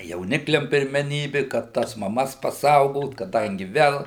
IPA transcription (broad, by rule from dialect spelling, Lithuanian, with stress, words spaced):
jɛʊˈnʲɪklʲɛm pʲɪrʲmʲɛˈnʲiːbʲɪ kɐt ˈtɐs mɐˈmɐs pɐˈsɐʊɡoːt kɐˈdɐŋʲɡʲɪ ˈʋʲɛlˠ